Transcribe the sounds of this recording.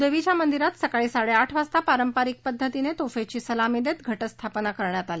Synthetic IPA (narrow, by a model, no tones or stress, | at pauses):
d̪eʋit͡ɕjamənd̪iɾat̪səkaɭiːsaɭeaʈʰʋast̪apaɾəmpaɾik̚pəd̪ʱːət̪inet̪ofet͡ɕiːsəlamid̪et̪ɡʱəʈəst̪ʰapnakəɾɳjat̪ali